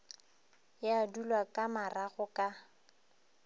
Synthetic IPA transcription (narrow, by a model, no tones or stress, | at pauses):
jadulwakʼamaraɣʊkʼa